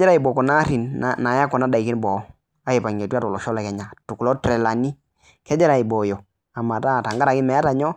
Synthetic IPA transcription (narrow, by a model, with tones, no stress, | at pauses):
d͡ʒɛ˦ɾa˦i˨bɔ˨kɔ˨na˦ɾi˨nna˨ja˦kɔ˨na˦da˨i˨ki˦n˦bɔ˨˦ | a˦e˨pa˨ɲe˨tu˦a˦tɔ˨lɔ˨ʃɔ˦lɛ˨kɛ˨ɲa˨tu˨ku˨lɔ˦tɾɛ˨la˨ni˦ | kɛ˦d͡ʒɛ˦ɾa˨i˨bɔ˨jɔ˨ | a˨ma˨ta˦˨ta˨ŋɡa˦ɾa˨kɪ˦mɛ˨a˦ta˨ɲɔ˦